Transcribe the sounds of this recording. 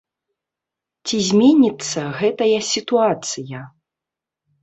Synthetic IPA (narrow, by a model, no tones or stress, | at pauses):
t͡sʲizʲmʲenʲit̪sːɐɣɛt̪ɐjɐsʲit̪uat̪sɨjɐ